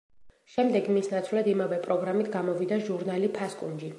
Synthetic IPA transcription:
ʃɛmd̪ɛɡmisnat̪sʰwlad̪imavɛpʼɾɔɡɾamit̪ʰɡamɔvid̪aʒuɾnalipʰaskʼund͡ʒi

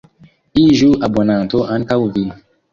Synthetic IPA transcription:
iʒuʔabɔnatoʔankawuvi

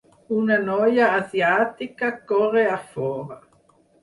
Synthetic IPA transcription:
unanojaːsjat̪ikakoʁeafoːʁa

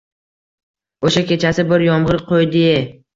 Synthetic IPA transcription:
oʃakʲe̞t͡ʃʰasɪbɪɾjɒmʁɨɾqʰojd̪ɪ

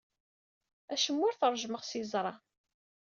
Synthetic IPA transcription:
æʃəmːʊɾθəɾˤʒməʁsizˤɾˤɑ

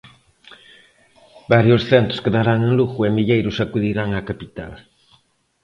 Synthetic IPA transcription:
baɾjʊsθent̪ʊ̥skeðaɾaŋẽŋluɣʊemiʎejɾʊsakuðiɾaŋakapit̪a̰l

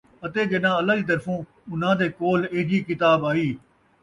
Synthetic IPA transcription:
ɐt̪eːɡenãːɐlaːd͡ʒiːt̪̬ɐɾfõː | ʊn̤ãːd̪eːkoːleːd͡ʒiːkɪt̪aːbaːiː

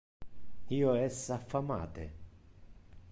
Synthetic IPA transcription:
iːoɛsafːama̰ːt̪ḛ

